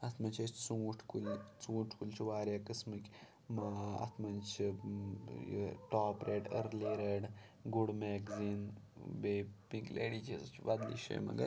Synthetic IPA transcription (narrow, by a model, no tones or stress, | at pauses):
ɐt̪ʰmɐnt͡ʃʰɐt͡ʃʰt͡suːʈʰkulʲt͡suːʈʰkulʲt͡ʃʰiʋaːɾjaːkɨsmɨkʲ | maɐ̰t̪ʰmɐnt͡ʃʰi | j̰ʈaːpɾeːʈə̰ɾleːɾɐɽ | ɡuɽmekziːnbeːpĩklḛːɽit͡ʃʰɐst͡ʃʰbɐd̪lḭːʃḛːmɐ̰ɡɐ̰ɾ